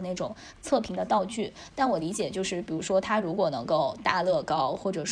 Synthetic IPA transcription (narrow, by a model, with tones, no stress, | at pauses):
na˥˩ɪʈ͡ʂʊ˨˩˦ŋ | t͡sʰɤ˥˩pʰi˧˥ŋd̪ə˧t̪ɑ˥˧ʊt͡ɕy˥˩t̪a˥˩nwɔ˨˩li˧˥t͡ɕjɛ˨˩t͡ɕjo˥˧ʊʂɻ̩˥˩pi˨˩ɻu˧˥ʂwɔ˥t̪ʰa˥ɻu˧˥kwɔ˨˩nɤ˧˥ŋko˥˩˧ʊt̪a˥˧lɤ˥˩kɑ˥ʊxwɔ˥˩ʈ͡ʂɤ˨˩ʂ